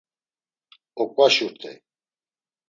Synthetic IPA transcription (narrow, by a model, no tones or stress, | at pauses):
ɔkʼaʃuɾt̪ʰɛ̰j